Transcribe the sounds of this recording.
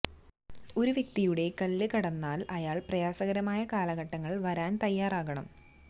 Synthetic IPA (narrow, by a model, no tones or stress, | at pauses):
o̞ɾuʋjek̚t̪ijuɽe̞kɐlːɨkɐɽɐnːaːlɐjaːɭprɐjaːsɐɣɐɾɐmaːjɐkaːlɐɣɐʈːɐŋːɐɭʋɐɾaːnt̪ɐjːaːraːɣɐɳɐm